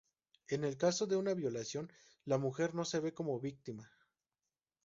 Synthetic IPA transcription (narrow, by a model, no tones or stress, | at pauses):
e̞ne̞lkaso̞ðe̞unaβjo̞lasjo̞n | lamuxe̞ɾno̞se̞βe̞ko̞mo̞βik̚t̪ima